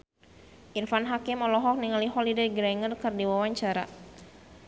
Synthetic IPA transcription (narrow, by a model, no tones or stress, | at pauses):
ʔirfanɦakɪmɔlɔɦɔk̚niŋaliɦɔlidaɡɾaŋərkərdiwawaɲt͡ʃaɾa̰